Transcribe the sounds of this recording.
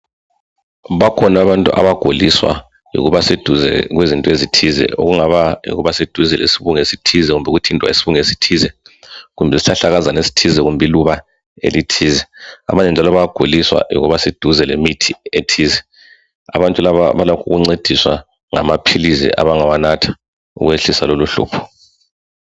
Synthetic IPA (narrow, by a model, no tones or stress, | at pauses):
βakʰɔnaβantʼuʔa̰βaɡ̥ʱoliswa̰ | jṵɣuβased̥ʱuzɛ̰ɣwezintʼɔezitʰizɛ̰ṵɣuŋaβajḭɣuβased̥ʱuzɛlḛsiβuŋesitʰizɛɣumbʱɛɣutʰintʼwa̰esiβuŋesi̥tʰiːzɛɣumbʱɛsi̥ɬaɬaɣazanesi̥tʰizɛɣumbʱiluβa | ḛlitʰiːzɛa̰βaɲɛnd͡ʒʱalɔβaɡ̥ʱuliswa̰jṵɣuβased̥ʱuzɛlemitʰietʰiːzɛ | a̰βantʼulaβa̰βalɔkʰuɣuŋ͡ǀed̥ʱiswa̰ | ŋa̰mapʰilizɛ̰ʔa̰βaŋawanatʰḁ | ṵɣweɬisa̰loluɬṵːpʰɔ̥